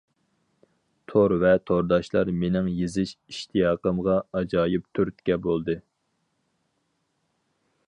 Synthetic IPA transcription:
t̪ʰoɾvɛt̪ʰoɾd̪ɑʃlˠɑɾmenɪŋjizɪʃiʃt̪ʰijɑːqəmʁɑɑd͡ʒɑːjip̚t̪ʰyɾt̪̚kʲɛbolˠd̪ɨ

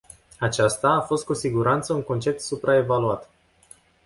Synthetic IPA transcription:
at͡ʃast̪aːfo̞st̪̚kusiɡuɾant̪səuŋko̞nt͡ʃe̞p̚t̪supɾʔae̞valuat̪

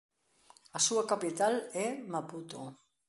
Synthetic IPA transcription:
asuakapit̪alemaput̪o

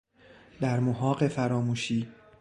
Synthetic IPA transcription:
d̪̥æɾmoɦɒːɢe̞fæɾɒːmuːʃiː

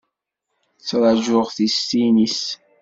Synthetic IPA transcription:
t͡sːɾˤɑʒʊʁθist̪inis

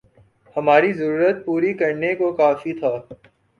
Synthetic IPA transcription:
hɐmaːɾizɐɾuːɾət̪̚puːɾikɐɾnekokaːfit̪ʰaː

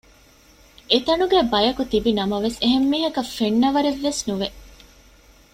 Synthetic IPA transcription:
et̪ɐnuɡæːbɐjɐkut̪ibinɐmɐʋeseɦemːiːɦɐkɐfeɳːɐʋɐɾeʋːesnuʋe

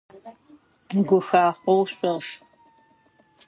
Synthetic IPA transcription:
ɡʷʊxaːχowɕʼɔʁʂ

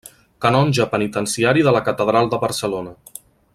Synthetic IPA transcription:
kənɔnʲʒəpənit̪ənsiaɾiðələkət̪əðɾalˠd̪əβəɾsəlonə

